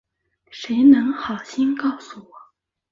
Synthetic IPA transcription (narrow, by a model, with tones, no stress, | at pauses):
ʂe˧˥ɪnɤ˧˥ŋxɑ˨˩ʊɕi˥nkɑ˥˩ʊsu˨˩wɔ˨˩˦